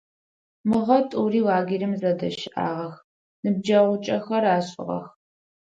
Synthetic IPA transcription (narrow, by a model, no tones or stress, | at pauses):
mɨʁɐtʼuːriːwaːɡirɨmzɐdɐʃɪʔa̰ːʁɐx | nɨb̚d͡ʒɐʁʷʊt͡ʃʼɐxɐɾaːɕʼɪ̰ʁɐ̰x